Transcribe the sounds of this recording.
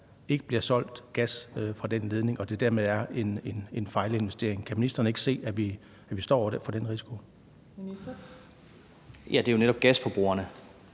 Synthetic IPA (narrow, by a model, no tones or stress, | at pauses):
e̝ɡ̥əb̥liɐsɒ̽l̰d̥ɡ̥æsfʁɑ̈d̥en̰le̝ð̞ˠne̝ŋɒ̽d̥e̝d̥æɐmeðˠæɐe̝ne̝ne̝nfɑ̈ɪlie̝nʋesd̥e̝̰ɐeŋkʰæminisd̥ɐnəe̝ɡ̥ə̥se̝̰ːæʋi | æʋisd̥ɒ̰̥ːefɒd̥enʁisi̥kʰo̝ | jæd̥e̝jo̝neɾ̥ɒ̽b̥̚ɡ̥æsfɒb̥ʁṵːɐnə